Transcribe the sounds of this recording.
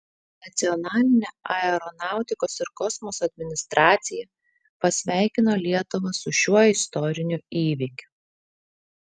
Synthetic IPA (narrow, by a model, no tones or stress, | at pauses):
nɐt̪sʲɪɔnɑːlʲɪnʲeːɐɛɾɔnɑˑʊt̪ʲɪkoːsɪɾkɔsmɔsɐd̪ʲmʲɪnʲɪst̪ɾʔɑːt̪sʲɪjɛ | pɐsʲʋʲæˑɪkʲɪnoːlʲiɛt̪ʊʋɐsʊʃʲuɔɪst̪ɔɾʲɪnʲʊiːʋʲikʲʊ̥